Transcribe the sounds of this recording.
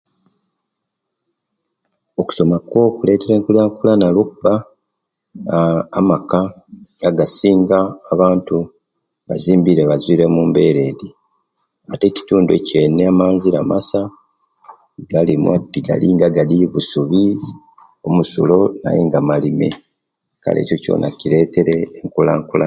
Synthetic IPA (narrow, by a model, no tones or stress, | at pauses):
o̞ku̥so̞makwo̞ːkule̞ːte̞ɾe̞ːŋkulaŋkulanalokuba | maka | ŋɡaɡasiːŋɡaːβaːntu | βaziːmbiɾeβazwiːɾe̞muːmbe̞ɾe̞ːdi | ate̞ci̥tuːndḛce̞ːneamaːnziɾa̰mʔasa | ɡalimwatːiɡa̰liːŋɡaɡaliβusuβi | o̞musulo̞na̰jeŋɡamalime̞̰ | ka̰lḛco̞co̞̰nʔa̰ciɾe̞ːte̞ɾe̞ːŋkulaːŋkula